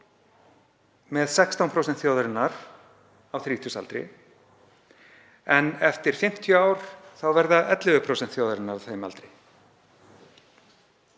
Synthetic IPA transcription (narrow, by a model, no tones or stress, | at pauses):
mɛðsɛkst̪awnpʰɾowsɛnt̪θjoːwðaɾɪnːaɾ̥ | awθɾiːt̪ʰusa̰lt̪ɾɪ̰ | ɛnɛft̪ɪɾ̥fɪm̥t̪ʰjʏaːwɾ̥θawvɛɾðaʔɛt̪lɪɣʏpʰɾowsɛnt̪θjoːwðaɾɪnːaɾawθejma̰lt̪ɾɪj